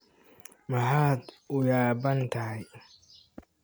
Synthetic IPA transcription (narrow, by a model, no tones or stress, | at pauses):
mɐħaːd̪ | ʊjaːbɐnt̪ʰɐɐj